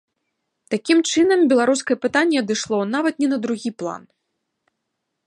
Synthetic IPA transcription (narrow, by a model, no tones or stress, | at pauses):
t̪akʲimt͡ʂɨnɐmbʲɛlˠaɾus̬kɐjɛpɨt̪anʲːɛɐd̪ɨʂlˠɔnavɐt̪nʲɛnɐd̪ɾuɣʲiplˠa̰n